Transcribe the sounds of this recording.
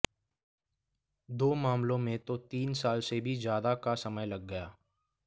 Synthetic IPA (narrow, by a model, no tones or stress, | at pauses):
d̪oːmaːmlõmẽt̪ot̪iːnsaːlsebʱizjaːd̪akasɐməjlɐɡːəjaː